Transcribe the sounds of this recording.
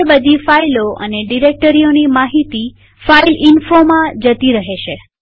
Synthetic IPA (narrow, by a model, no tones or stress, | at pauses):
bəd̪ʱifailoə̰neɖiɾek̚ʈəɾionimaɦit̪i | failɪnfomãd͡ʒət̪iɾəɦeʃe